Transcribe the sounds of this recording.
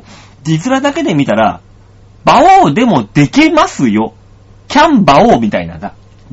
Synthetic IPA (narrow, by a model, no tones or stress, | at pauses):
d̪ʲizɨɾad̪ake̞d̪e̞mʲit̪aɾa̰ | baoːd̪e̞mo̞d̪̥e̞kʲemasɨjo̞ | kʲãmbaoːmʲit̪aina̰d̪a